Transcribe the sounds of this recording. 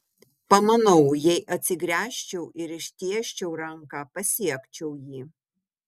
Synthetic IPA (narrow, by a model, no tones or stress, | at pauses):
pɐmɐnɐʊjɛɪʔɐt̪ʲsʲɪɡɾʲæːʃʲt͡ʃʲɛʊʔɪɾɪʃʲt̪ʲiɛʃʲt͡ʃʲɛʊɾɐŋkɑːpɐsʲiɛkt͡ʃʲɛʊjiː